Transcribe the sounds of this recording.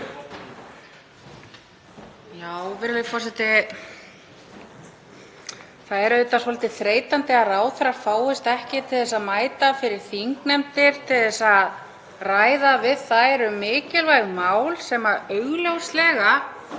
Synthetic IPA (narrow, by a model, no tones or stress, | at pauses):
jaːwvɛɾɪlfɔr̥sɛt̪ɪ | θaðɛɾʏːt̪asvɔlɪt̪ɪθɾeːjt̪ant̪ɪaðraːwθaɾaɾfaːwɪst̪ɛhcɪt̪ʰɪlðɛsaðmaːjt̪afɪɾɪɾ̥θiŋknɛmt̪ɪɾ̥t̪ʰɪlðɛsað | raːjðavɪðθaðɛɾʏmɪːcɪlvajɣmaːwlsɛmaðœɥɣljowslɛːɣa